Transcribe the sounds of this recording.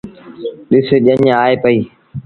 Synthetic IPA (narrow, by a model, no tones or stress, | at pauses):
ɗɪseːʄəɲãaːeːpəiː